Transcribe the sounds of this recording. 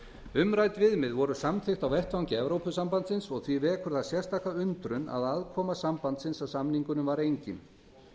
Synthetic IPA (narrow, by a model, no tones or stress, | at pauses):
ʏmɾajt̪vɪðmɪðvɔɾʏsamθɪxt̪awvɛht̪vawɲcɪɛvɾowpʏsampant̪sɪnsɔɣθvivɛkʰʏɾ̥ðasjɛrst̪ahkaʏnt̪ɾʏna̰ðaðkʰɔːmasampant̪sɪnsawsamniŋkʏnʏmvaɾejɲcɪn